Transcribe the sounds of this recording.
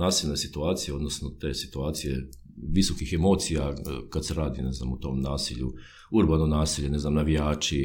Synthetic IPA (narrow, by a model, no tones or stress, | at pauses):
naːsilnesit̪uaːt̪sijeo̞d̪no̞snot̪e̞ːsi̥t̪uaːt̪sijḛ | ʋiso̞kixemo̞ːt̪sijakad̪seɾaːd̪ine̞znamut̪o̞ːmnaːsiʎṵ | uɾbanonaːsiʎene̞znamnaʋijaːt͡ʃi